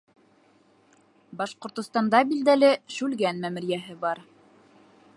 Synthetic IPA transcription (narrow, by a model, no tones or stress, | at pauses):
bɑʃqŏɾt̪ŏst̪ɑnd̪ɑbild̪ælɘʃʉlɡænmæmɘ̆ɾjæɦɘbɑɾ